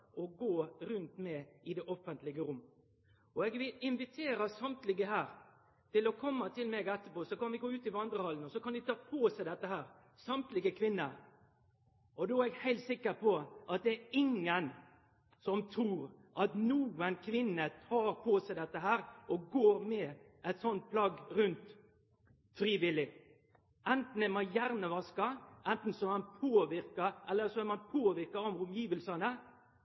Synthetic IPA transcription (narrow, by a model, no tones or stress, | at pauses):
ɔɡoːɾʉnt̪mɛɪd̪ɛʔɔfənt̪lɪɡəɾʊmː | ɔɛɡʋɪlɪnʋɪt̪ʰeːɾɑsɑmt̪lɪɡəɦæːɾ | t̪ɪlɔkʰɔmːɑt̪ʰɪlmɛɡɛt̪ːəpoːsɔkɑnʋɪɡoːʉːt̪ɪʋɑnd̪ɾəhɑlːnɔsɔkɑnd̪ɪt̪ʰɑːpʰoːsæɪd̪ɛt̪ːəhæːɾ | sɑmt̪lɪɡəkʰʋɪnːə | ɔd̪ɔæɾɛɡhæɪlt̪sɪkːəɾpʰɔʔɑt̪̚d̪ɛæɾɪŋːən | sɔmt̪ʰɾuːɾʔɑt̪nuːənkʰʋɪnːət̪ʰɑːɾpʰɔsæɪd̪ɛt̪ːəɦæːɾʔɔɡoːɾmɛ | ʔɛt̪sɔnt̪̚pʰlɑɡɾʉnt̪ | fɾiːʋɪlɪ | ʔɛnt̪n̩æmɑjæɾnəʋɑskəʔɛnt̪n̩sɔmɑnpʰoːʋɪɾkəʔɛlːəɾsɔmɑnpʰoːʋɪɾkəɾɔmʊmjiːʋəlsənə